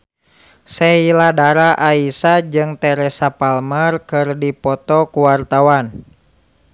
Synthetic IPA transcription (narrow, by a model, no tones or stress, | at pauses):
sɛiladaɾaʔaisad͡ʒɨŋt̪ɛɾɛsapalmərkɨrdipɔt̪ɔkuwart̪awan